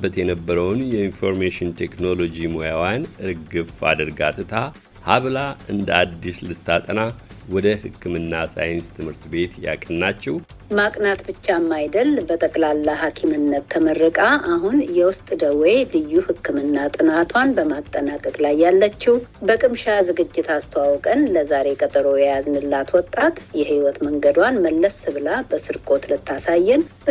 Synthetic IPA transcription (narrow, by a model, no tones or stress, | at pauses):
bət̪jɛnəbːəɾəwnjɛinfo̞ɾmeʃɪnt̪ʰekno̞lo̞d͡ʒimojawjanɨɾɡɨfa̰d̪əɾɡat̪ʰɨt̪ʰa | haβlaʔɨnd̪əad̪ːislɨt̪ːat̪ʼəna | wɔd̪əhɨkːɨmɨnːasa̰jɪnst̪ʰɨmhɨɾt̪be̞t̪ja̰kʼɨnːat͡ʃːɛw | makʼnat̪bɨt͡ʃːamːajd̪əlbət̪ʼəkʼlalːaɦakʰimɨnːət̪ʰːəmərːɨkʼaʔaɦunjɛwʊst̪ʼd̪əwelɨjːuhɨkʰːɨmɨnːat̪ʼɨnat̪ʰwanbəmat̪ʼːənakʼəkʼlajːalːət͡ʃːɛwbəkʼɨmʃazɨɡɨd͡ʒːɪt̪ast̪ʰəwawɔkʼənləzaɾe̞kʼət̪ʼəɾo̞jɛjaznɨlːat̪wɔt̪ʼːat̪jɛhiwɔt̪məŋɡəd̪wanməlːəsɨβɨlabəsɨɾkʼo̞t̪lɨt̪ʰːasajːɛn